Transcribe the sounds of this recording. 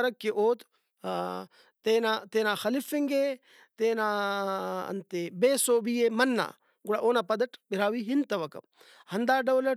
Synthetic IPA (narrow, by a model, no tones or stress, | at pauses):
ɐɾɐkːeʔoːt̪ | t̪eːnaːt̪eːnaːxɐlifiŋɡe | t̪eːnaː | ɐ̰nt̪ebeːsoːbijeːmɐnːa̰ː | ɡuɽaːʔoːnaːpɐd̪ɐʈbiɾaːʋiːɦint̪ɐʋɐkɐ̰m | hɐnd̪aːɖɐʋlɐ